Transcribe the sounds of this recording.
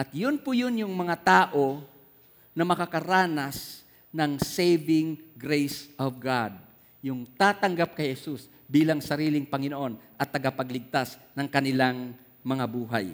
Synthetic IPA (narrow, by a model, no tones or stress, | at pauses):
ʔɐt̪jʊnpʊjʊnjʊŋmɐŋat̪aːʔo̞ | nɐmɐkakɐɾaːnɐs | nɐŋsejbɪŋɡɾejsʔɔvɡad̪̚ | jʊŋt̪aːt̪ɐŋɡap̚kɐjhɛsus | biːlaŋsɐɾiːlɪŋpɐŋɪnoʔo̞nʔɐt̪ːɐɡapɐɡlɪɡ̚t̪asnɐŋkɐnɪlaŋ | mɐŋabuːɦa̰j